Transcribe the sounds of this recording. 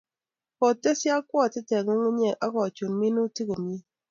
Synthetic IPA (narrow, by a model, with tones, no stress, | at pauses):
kɔ˨te˦sja˦kwɔ˦a˨ti˦te˨ŋo˦ŋu˦ɲe˨ʔa˦kɔ˨t͡ʃo˨nmi˦nu˦ti˦ko˨mi˦